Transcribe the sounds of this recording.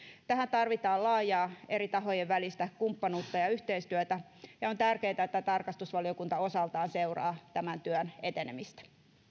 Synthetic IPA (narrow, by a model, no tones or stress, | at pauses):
t̪æhænt̪ɑrʋit̪ɑːlɑːjɑːʔeɾit̪ɑɦojeʋʋælist̪ækumpːɑnuːt̪ːɑjɑyht̪eist̪yøt̪æ | jɑont̪ærkeːt̪æet̪ːæt̪ɑrkɑst̪usʋɑliokunt̪ɑo̞sɑlt̪ɑːnseurɑ̰ːt̪æmænt̪yønet̪enḛmist̪æ̥